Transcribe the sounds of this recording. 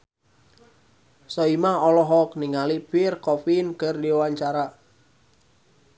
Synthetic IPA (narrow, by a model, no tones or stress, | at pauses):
sɔimaɔlɔɦɔk̚niŋalipɪrkɔfinkərdiwaɲt͡ʃaɾa